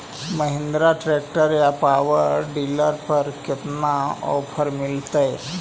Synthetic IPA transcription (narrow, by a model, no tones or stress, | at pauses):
məɦɪ̃nd̪ɾaʈɾeːk̚ʈəɾjapaːʋəɾɖiːləɾpəɾkɪt̪naɔ̰ːpʰəɾmɪlt̪e